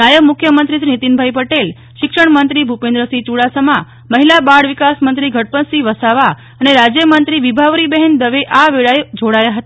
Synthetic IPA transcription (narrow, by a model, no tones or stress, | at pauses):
ajəʋmukʰjəmənt̪ɾisɾinit̪inbʱajpəʈel | ʃɪkʂəɳmənt̪ɾibʱupẽnd̪ɾəsit͡ʃuɽasəmã | məɦilabaɽʋikasmənt̪ɾiɡʱəɽ̚pənsiʋəsaʋa | əneɾad͡ʒjəmənt̪ɾiʋibʱaʋɾibɛɦɛnd̪əʋeʔaʋeɭaed͡ʒoɽajaɦət̪